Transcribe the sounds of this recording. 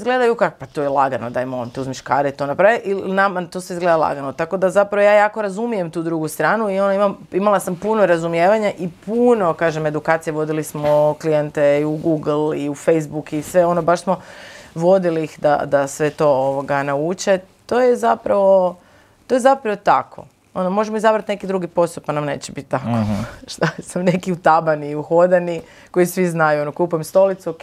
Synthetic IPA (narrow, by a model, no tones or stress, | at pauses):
izɡled̪ajukakpat̪ojelˠaɡanod̪ajmont̪uzmiʃkaːɾeit̪onapɾaːʋeʔilnamat̪o̞ːsizɡle̞d̪alˠa̰ɡanot̪ako̞d̪azapɾaʋojaːjaːkoɾazumijemt̪uːd̪ɾuɡust̪ɾaːnuio̞noimamimalˠasampunoɾazumjeːʋaɲaʔipuno̞kaːʒeme̞d̪ukaːt̪sijeʋo̞d̪ilismoklijent̪eiuɡuːɡl̩ˠiufejsbukisʋe̞o̞nobaʃsmo̞ʋo̞d̪iliːxd̪a̰d̪asʋe̞t̪o̞oʋoɡanaut͡ʃe̞ | t̪o̞ːjezapɾaʋo̞ | t̪o̞jezapɾaʋot̪akʰo̞̰ | o̞nomo̞ʒemoizabɾat̪ne̞kid̪ɾuɡipo̞st̪upanamne̞ːt͡ɕebit̪t̪ːakoʃt̪asamne̞kiut̪abaniiuxo̞d̪ani | ko̞jisʋiznajuo̞nokupujemst̪o̞lit̪su